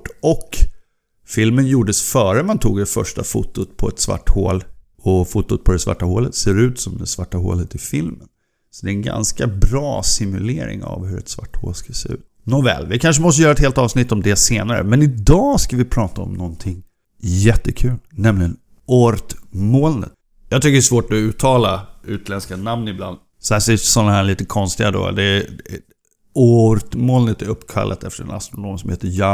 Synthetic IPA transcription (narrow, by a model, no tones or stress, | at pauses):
ɔk | fɪlmənjuːɖəsfœːɾəmant̪ʰuːɡd̪ɛfœʂʈafʊt̪ːʊt̪pʰɔɛt̪sva̰ʈːhoːl | ɔfut̪ːʊt̪̚pʰɔd̪ɛsva̰ʈːahoːlət̪seːɾʉ̟ːt̪sɔmd̪ɛsvaʈːaɦo̰ːlət̪ɪfɪlmən | sɔd̪ɛɛnɡa̰nskabɾɑːsɪmɵleːɾɪ̰ŋa̰vhɵɾɛ̰t̪sva̰ʈːhoːlskaseːʉ̟ːt̪nɔvɛ̰lvɪkʰanʂ̬əmɔst̪əjœːɾaɛt̪heːlt̪ɑːvsnɪt̪ːɔmd̪ɛseːnaɾə̰mɛnɪd̪ɑːskavɪpʰɾɑːt̪aɔ̰mnɔnt̪ʰɪŋ | jɛt̪ːəkʰʉ̟ːlnɛmlɪɡən | ɔɾt̪moːlnə̰t̪ | jɑɡt̪ʰʏkːəɾɛsvoːʈɔʉ̟ːt̪ʰɑːlaʉ̟ːt̪lɛnskanamnɪbla̰nd̪ | sɔhæːsɛsɔnːahæːɭiːt̪əkʰɔnst̪ɪɡad̪o̰d̪ɛ | ɔɾt̪moːlnət̪æɾɵpːkʰa̰lːʔat̪ɛft̪əɾɛ̰na̰st̪ɾʊnoːmsɔmheːt̪əjɑː